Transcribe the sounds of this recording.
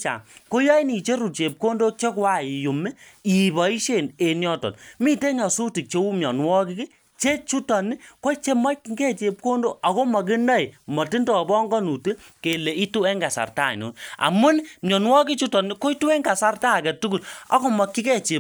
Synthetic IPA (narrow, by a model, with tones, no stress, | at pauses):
t͡ʃa̰˨ko˦jɔ˦i˦ni˨t͡ʃe˦ɾu˨t͡ʃe˨p̚ko˦ndo˦t͡ʃe˦kwa˦˨i˨jo˨mɛ˦i˨bɔ˨i˦ʃe˦˨ne˨njɔ˦tɔ̰˨nmi˦te˦ɲɔ˨su˦ti˨k̚t͡ʃe˦u˦mjɔ˨nwɔ˦ki˦ke˦ | t͡ʃe˦t͡ʃu˦tɔ˨ni˦ko˦t͡ʃe˦ma˦kŋɡe˦t͡ʃe˨p̚ko˦ndo˦a˨ko˦mɐ˨k̬i˦na˦i˨mɔ˨ti˦ndɔ˨bɔ˦ŋɡɔ˦nu˨te˦ke˨le˨i˦tu˦ɛ˦ŋɡa˨sa̰˨rta̰˦˨nṵ˨˦na̰˨mu˦nmjɔ˨nwɔ˦ki˦t͡ʃu˦tɔ˨ni˦ko˦i˦tu˦ɛ˦ŋɡa˨sa˦rta˦˨kɛ˨tu˦ɡu˨la̰˦ko˦mɔ˨kːi˦kɛ˦t͡ʃe˨